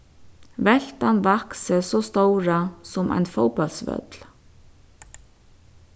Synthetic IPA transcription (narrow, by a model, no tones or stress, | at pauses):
vɛl̥t̪anvaksəsɔːst̪owɾasʊmʔa̰jnfɔwpɔlsʋœ̰t̪l̥